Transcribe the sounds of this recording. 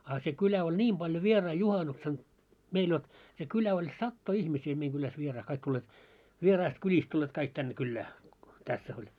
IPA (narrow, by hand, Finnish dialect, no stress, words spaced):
ɑˑ se kylæ olʲ nʲiːm b̥ɑljo ʋierɑi juhɑnuksen meil jot se kylæ olʲ sɑtːoi ihmisiː meiŋ ɡ̊ylæs ʋierɑi kɑik tʲulːeːt ʋierɑist kylʲist tulːeːt kɑik tænːe kylːæː tæsːæ̆ olʲ